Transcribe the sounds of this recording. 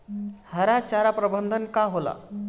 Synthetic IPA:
həɾat͡ʃaɾapɾəbənd̪ʱənkaɦola̰

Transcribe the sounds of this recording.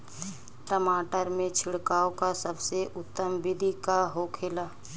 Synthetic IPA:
ʈəmaːʈəɾmẽt͡ʃʰɪɽkaːõkasəbseʔʊt̪ːəmbɪd̪ʱikaɦokʰeːlaː

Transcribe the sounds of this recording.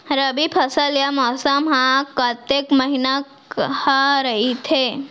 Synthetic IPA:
ɾəbipʰɐsəljamɔːsəmɦãkət̪ekməɦinakhaɾəɦit̪ʰe

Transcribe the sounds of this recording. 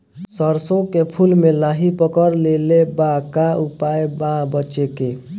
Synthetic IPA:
səɾsõkepʰulmelaɦipəkəɾlelebãkaupaebãbəːt͡ʃeke

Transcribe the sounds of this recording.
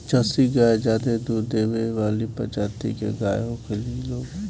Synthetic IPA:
t͡ʃəsiɡaːed͡ʒaːd̪ed̪uːɾd̪eːʋeʋaːlipɐ̰t͡ʃaːt̪ḭkḛɡaːjɦoːkelieloːɡ

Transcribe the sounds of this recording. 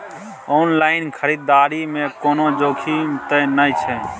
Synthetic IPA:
ɔnlaɪnkʰəɾid̪ːaːɾimẽkoːnod͡ʒoːkʰimt̪ənəjt͡ʃʰɛ

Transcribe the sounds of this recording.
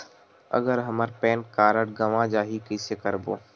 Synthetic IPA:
ɐ̰ɡəɾɦɐməɾpɛːnkaːɾəɽɡɐʋãd͡ʒaːɦikɪsekɐɾboː

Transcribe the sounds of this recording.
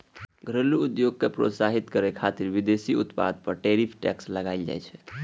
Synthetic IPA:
ɡʱɾəluud̪joɡ̚kepɾo̰t̪saɦit̪kəɾɛkʰat̪iɾʋid̪esiut̪pa̰d̪̚pəɾʈɛɾipʰʈɛksləɡaɪld͡ʒa̰jt͡ʃʰɛ̥

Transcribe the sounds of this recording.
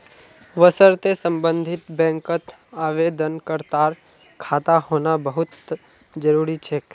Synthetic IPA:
ʋəsəɾt̪esə̃mbə̃nd̪ʱɪt̪bɛ̃ːŋkət̪ | aːʋeːd̪ənkəɾt̪aːɾ | kʰaːt̪ahoːnabəɦʊt̪ | d͡ʒəɾuːɾit͡ʃʰeːk

